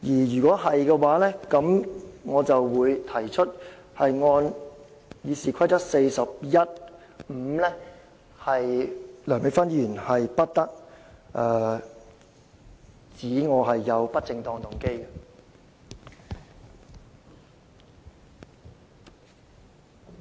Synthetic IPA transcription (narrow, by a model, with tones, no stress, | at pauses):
jiː˨˩jyː˨˩kʷɔː˨˥ɦɐ˨jkɛ˧waː˨˥lɛː˥kɐ˨˥mŋɔː˨˧t͡sɐ˨wːuː˨˧jt̪ʰɐ˨˩jt͡ʃʰɵ˥t̚hɐ˨jŋɔː˧n | jiː˨˧siː˨kʰɐ˥jt̪ɐ˥t̚se˧jsɐ˨p̚jɐ˥t̚ | m̩˨˧lɛ˥ | hɐ˨jlœː˨˩ŋmɪ˨˧ŋfɐ˥njyː˨˩nhɐ˨jpɐ˥t̚t̪ɐ˥k̚ʔɛː˧ | t͡siː˨˥ŋɔː˨˧ɦɐ˨jːɐ˨˧wpɐ˥t̚t͡sɪ˧ŋt̪ɔː˧ŋt̪ʊ˨˩ŋke˥jkɛ˧